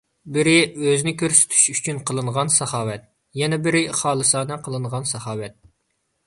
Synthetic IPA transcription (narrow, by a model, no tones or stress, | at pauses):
bɪɾɪøznɪkʲʰøɾsy̥t̪ʰy̥ʃyt͡ʃʰynqʰəlˠɨɴʁɑnsɑhɑːwɛt̪̚ | jɛnɛbɪɾɪχɑːlˠɨsɑːnɨqʰəlˠɨɴʁɑnsɑhɑːwɛt̪̚